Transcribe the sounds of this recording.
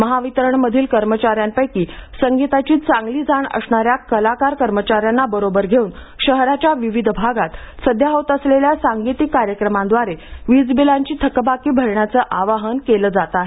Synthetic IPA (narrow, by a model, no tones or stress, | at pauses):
məɦaʋit̪ɾəɳməd̪ʱiːlkəɾmət͡ɕaɾjampəjkiːsəŋɡit̪at͡ɕiːt̪t͡sãŋɡliːd͡zʱaɳə̰sɳaɾjakəlakaɾkəɾmət͡ɕaɾjanːabəɾobəɾɡʱeuːn | ɕəɦɾat͡ɕjaʋiʋid̪ʱbʱaɡat̪səd̪ʱjaɦot̪əsleljasaŋɡit̪ikːaɾjəkɾəmãnd̪ʋaɾeʋid͡zbilaɲt͡ɕiːt̪ʰəkbakiːbʱəɾɳjat͡səːʔaʋaɦənkeləːd͡zat̪aɦe